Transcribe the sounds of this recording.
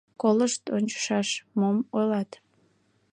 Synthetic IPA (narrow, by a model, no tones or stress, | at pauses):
koləʃt̪onʲt͡ɕə̥ʃɑʃmomojlɑt̪